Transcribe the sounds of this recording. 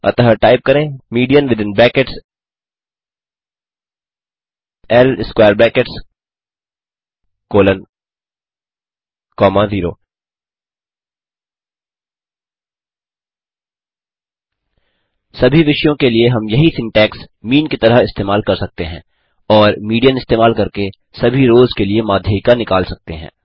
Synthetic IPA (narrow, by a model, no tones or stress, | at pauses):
ɐ̰t̪əɦəɾʈaːɪp̚kɐɾẽːmiːɖijənʋɪd̪ɪ̃nbɛ̃ːkeʈs | ɛlɪskwaːɾbɛ̃ːkeʈs | koːlən | kɔːmãziːɾo̰ː | sɐbʱiʋɪʃjõkelieɦɐmjɐɦisɪ̃ŋʈɛːksmiːnkit̪ɐɾəɦɪst̪eːmaːlkɐɾsɐk̚t̪eɦɛ̃ː | ɔːɾmiːɖijəmɪst̪eːmaːlkɐɾke | sɐbʱiɾoːzkeliemaːd̪ʱjəkanɪkaːlsɐk̚t̪eɦɛ̰̃ː